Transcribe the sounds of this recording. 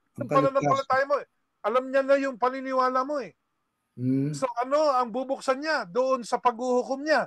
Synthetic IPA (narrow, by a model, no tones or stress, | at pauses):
ʊŋpɐnɐnɐpɐlɐt̪aːjɪmo̞ɛ | ʔɐlamɲalajʊŋpɐnɪnɪwaːlɐmo̞ɛ | so̞ʔɐno̞ɐŋbubʊk̚sɐnɲad̪oʔonsɐpɐɡ̚huhʊkomɲa